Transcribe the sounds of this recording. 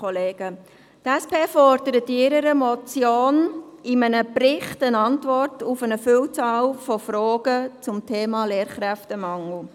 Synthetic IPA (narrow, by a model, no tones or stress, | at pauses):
ɔleːɡ̥ə | tɛspʰeːfɔrd̥əɾətɪɾəɾəmɔt͡sjoːnɪmənəpɾɪχtənɑntʋɔrtufənəfyːlt͡sɑːlfɔfɾoːɡət͡sʊmtʰeːmɑːleːɾχɾæftəmɑŋl̩